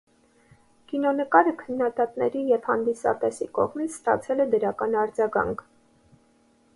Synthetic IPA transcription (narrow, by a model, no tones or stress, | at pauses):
kinɔnəkɑɾəkʰənːɑd̪ɑt̪nɛɾijɛvhɑnd̪isɑ̰t̪ɛsikɔ̰ʁmit͡sʰst̪ɑ̰t͡sʰɛlɛd̪əɾɑkɑnɑɾd͡zɑɡɑ̰ŋkʰ